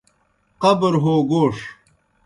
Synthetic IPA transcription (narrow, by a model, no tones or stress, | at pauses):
qɐbɾɦoːɡoːʂ